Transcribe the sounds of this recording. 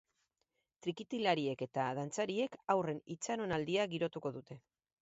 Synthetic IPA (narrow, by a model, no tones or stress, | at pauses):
t̪ɾikit̪ilaɾie̞ke̞t̪aðant͡saɾie̞kawre̞nit͡saɾo̞nald̪iaɣiɾo̞t̪uko̞ðut̪e̞